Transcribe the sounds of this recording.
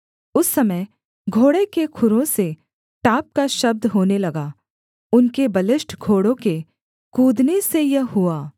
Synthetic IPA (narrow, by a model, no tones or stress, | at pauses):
ʊsːɐməj | ɡʱoːɽekekʰʊɾõse | ʈaːp̚kaʃɐb̚d̪ɦoːnelɐɡaː | ʊnkebɐlɪsʈʰɡʱoːɽõke | kuːd̪nesejɐɦʊaː